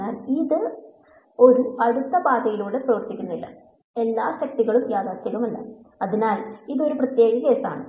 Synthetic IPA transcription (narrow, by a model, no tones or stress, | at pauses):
aːliðɨ | o̞ɾuɐɽut̪ːɐbaːd̪ɐjiluːɭeprɐʋɐrt̪ikʲːunːɐðilːɐ̰ | e̞lːaːɕɐk̚ʈiɣɐɭumjaːd̪aːsɐʋɐmɐlːɐ̰ | ɐðinaːliðo̞ɾuprɐt̪je̞ːɡɐke̞ːsa̰ːɳɨ